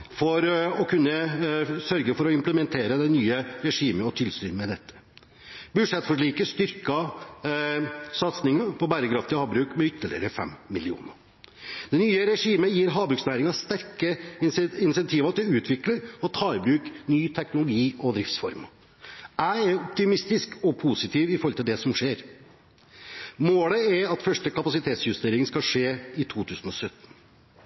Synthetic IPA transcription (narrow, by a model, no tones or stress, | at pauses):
fɔɾɔkʰʉnːəsœɾɡəfɔɾɔɪmpləmɛnt̪ʰeːɾəd̪ɛnyːəɾɛʂiːməɔt̪ʰɪlst̪yːɾmɛd̪ɛt̪ʰːə̥ | bʉd̪ʂɛt̪ːfɔʂ̬ɭiːkəst̪ʏɾkɑ | sɑt̪snɪŋɑpɔbæːɾəkɾɑft̪ɪhɑːbɾʉːkmɛʏt̪ːəɭɪ̰ɾəfɛ̰mːmːɪlɪṵːnə | d̪̥ɛnyːəɾɛʂiːməjiːɾɦɑːbɾʉːksnæːɾɪŋɑst̪æɾkəɪnsɛnt̪ʰiːʋɑt̪ʰɪlʉːt̪ʰʋɪkləɾɔt̪ʰɑːɪbɾʉːknyːt̪ʰɛknʊlʊɡiːɔd̪ɾɪft̪sfɔɾm | æɪɛɾɔpt̪ɪmɪst̪ɪskɔpʰuːsɪt̪ʰiːʋɪfɔɾɔlt̪ɪld̪ɛsɔmʂeːɾ | moːləɛɾɑt̪fœʂʈəkɑpɑsɪt̪ʰeːt̪sjʉst̪eːɾɪŋnskɑʂeːɪt̪ʰuːt̪ʰʉːsn̩ɔsœt̪n̩